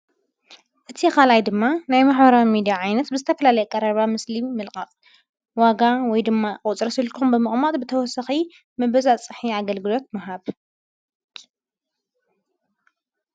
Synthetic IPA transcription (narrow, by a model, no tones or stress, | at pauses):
ʔɨt̪ʰikʰalajd̪ɨmːanajmaħbɐɾawimid̪ijaʕajnɐt̪bɨzɨt̪ʰɐfɐlalɐjɛkʼɐɾɐβamɨsliːɨlkʼaqʼ | waɡawɔjd̪ɨmːakʼut͡sʼɾɐsilkʰumbɨmɨχʼmat̪ʼbɨt̪ʰɐwɔsɐxi | mɐβɐzat͡sʼɨħiaɡɐlɡɨlo̞t̪̚mɐɦaβ